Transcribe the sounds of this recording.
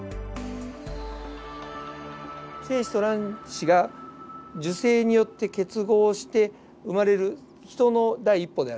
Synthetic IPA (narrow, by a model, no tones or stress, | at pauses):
se̞ːɕi̥t̪o̞ɾãɰ̃ɕiɡa | d͡ʑɨse̞ːɲ̟ijo̞t̪ːe̞ke̞t͡sɨɡo̞ːɕi̥t̪e̞ | ɯmaɾe̞ɾɯ̟ | çi̥t̪o̞no̞d̪aiipːo̞d̪e̞aɾɯ